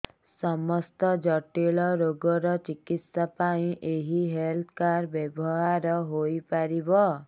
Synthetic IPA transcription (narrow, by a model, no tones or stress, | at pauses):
sɔmɔst̪ɔd͡ʒɔʈiɭɔɾoɡɔɾɔt͡ʃikit̪sapaĩʔeɦiɦelt̪ʰkaɾbebɔɦaɾɔɦojpaɾibɔ